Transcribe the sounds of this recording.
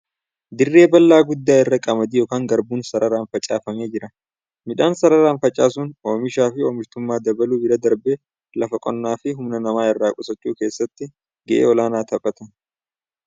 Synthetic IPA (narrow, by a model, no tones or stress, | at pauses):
d̪ɪrːe̞ːbɐlːaːɡʊd̪ːaːɪrːɐkʼɐmɐd̪ijoːkaːŋɡɐɾbuːnsɐɾɐɾaːnfɐt͡ʃʼaːfɐme̞ːd͡ʒɪɾɐ | mɪᶑaːnsɐɾɐɾaːnfɐt͡ʃʼːaːs̬ʊnoːmɪʃaːfɪoːmɪɾt̪ʊmːaːd̪ɐbɐluːbɪlɐd̪ɐɾbeː | lɐfɐkʼɔnːaːfɪɦʊmnɐnɐmaːɪrːaːkʼʊsɐt͡ʃːuːke̞ːsːɐt̪ːɪ | ɡɛʔḛːɔlaːnaːt̪ɐpʼːɐt̪ɐn